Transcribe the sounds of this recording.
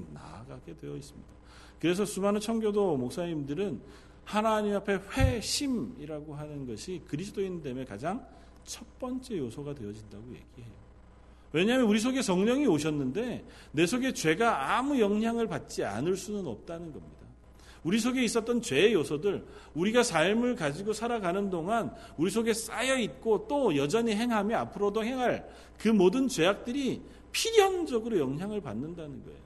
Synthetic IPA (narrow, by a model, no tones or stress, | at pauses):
na̰ɡaɡe̞dwe̞jʌis͈ɯmɲid̥a | kɯɾe̞s̬ʰʌsʰumanɯt͡ɕʰʌŋɡjodomok̚s͈aɲimdɯɾɯn | hanaɲimapʰe̞ɸwe̞ɕʰimiɾaɡoɦanɯnɡʌɕʰikɯɾisʰɯt͈oindeme̞kad͡ʑaŋ | t͡ɕʰʌt̚p͈ʌnt͡ɕ͈e̞josʰʌɡadwe̞ʌd͡ʑindaɡoje̞̰ɡ̥iɦe̞jo | we̞ɲaɦmjʌnuɾis̬ʰoɡe̞sʌŋɲʌŋioɕ̬ʰʌnːɯnde̞ | ne̞sʰoɡe̞t͡ɕwe̞ɡaamujʌŋɦjaŋɯɭpat̚t͡ɕ͈ia̰nɯɭs͈unɯnʌ̰p̚t͈anɯnɡʌmɲida | uɾisʰoɡe̞is͈ʌt͈ʌnt͡ɕwe̞josʰʌdɯɭuɾiɡasʰaɭmɯɭkad͡ʑiɡosʰaɾaɡanɯndoŋanuɾis̬ʰoɡe̞s͈ajʌit̚k͈ot͈ojʌd͡ʑʌɲiɦe̞ŋɦamjʌapʰɯɾodohe̞ŋɦaɭ | kɯmodɯnt͡ɕe̞ak̚t͈ɯɾi | pʰiɾjʌŋd͡ʑʌɡɯɾojʌŋɦjaŋɯɭpa̰nːɯndanɯnɡʌḛjo